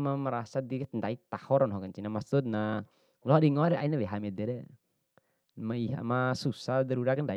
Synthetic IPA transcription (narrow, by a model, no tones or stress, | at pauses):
mamaɾasadikndait̪ahɔɾɔnɦɔkant͡ʃinamasut̪̚na | lɔadiŋɔɾɛʔainaweɦamɛd̪ɛɾɛ | maiɦa̰masusad̪aɾuɾakanda